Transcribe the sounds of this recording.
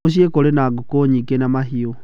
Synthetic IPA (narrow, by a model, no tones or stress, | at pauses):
oɕ̬iekoɾenaɡokoɲikenamaɦio